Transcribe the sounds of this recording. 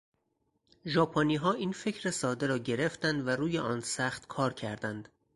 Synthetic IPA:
ʒɒːpʰoniːɦɒːʔiːnfe̞cʰɾe̞sɒːd̪eɾɒːɟe̞ɾe̞ft̪ænd̪væɾuːjeʔɒːnsæxt̪kʰɒːɾcʰæɾd̪ænd̪̥

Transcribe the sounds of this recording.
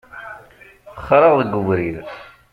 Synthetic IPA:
χɾˤəʁðəɡːuvɾið

